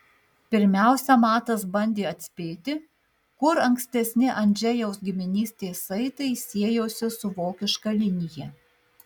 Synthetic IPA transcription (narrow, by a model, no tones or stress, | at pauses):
pʲɪɾʲmʲæˑʊsʲɛmɑːt̪ɐs̬bɐnʲd̪ʲeːɐt̪ʲsʲpʲeːt̪ʲɪ | kʊɾɐŋksʲt̪ʲɛsʲnʲɪʔɐnʲd͡ʒʲɛjɛʊsɡʲɪmʲɪnʲiːsʲt̪ʲeːsɐɪt̪ɐɪsʲiɛjoːsʲɪsʊʋoːkʲɪʃkɐlʲɪnʲɪjɛ